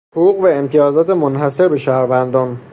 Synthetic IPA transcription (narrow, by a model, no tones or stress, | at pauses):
hoɣuːɣvæemt̪ʰijɒːzɒːt̪ʰemonɦæse̞ɾbe̞ʃæhɾvænd̪ɒːn